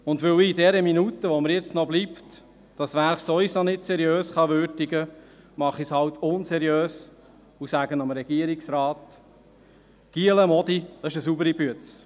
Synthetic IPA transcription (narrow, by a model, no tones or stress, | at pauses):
ʊndʋɵwiidɛɾəminutəʋɔməɾjɛt͡stnɔbliːpt | d̥ɑsʋæɾχsovisonɪtsɛɾjøːsχɑʋʏɾdiɡə | mɑχishɑwtʰʊnsɛɾjøːs | usæɡ̥ənɑmɾɛɡ̥iəɾiksɾɑːt | ɡ̥iələmɔdid̥ɑɪʃəsubəɾibyətt͡s